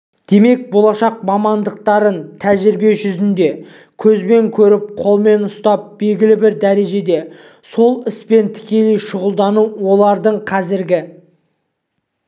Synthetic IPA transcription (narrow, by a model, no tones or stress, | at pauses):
d̪̥e̞me̞k̚bo̞lˠɑʃɑq̚mɑmɑnd̪əq̚t̪ɑɾənt̪ʰæʒɪɾbe̞ʒʏzɪnd̪e̞ | kʲʰɵzbe̞ŋkʲʰɵɾɪp̚qʰo̞lˠme̞nʊst̪ɑp̚b̥e̞lɡʲɪlɪbɪɾd̪æɾe̞ʒe̞d̪e̞ | so̞lˠɪspe̞nt̪ʰɪ̥kʲe̞lejʃʊʁəlˠd̪ɑnuwo̞lˠɑɾd̪əɴqʰɑzɪɾɡʲɪ